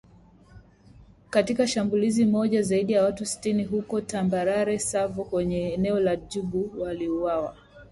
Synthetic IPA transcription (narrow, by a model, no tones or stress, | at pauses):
katikaʃambulizimɔʄazaiɗijawatusi̥tiniɦukɔtambaɾaɾɛsavɔkwɛɲɛːnɛɔlaʄuɓuwaliuwawa̰